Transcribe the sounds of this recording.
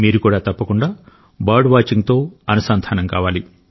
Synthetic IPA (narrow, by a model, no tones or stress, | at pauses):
miːɾukuːɽaːt̪ɐpːɐkuɳɖaː | baːɖʋaːt͡ʃiŋɡt̪o̞ːɐnɐsaːnt̪ʰaːnɐŋkaːʋaːli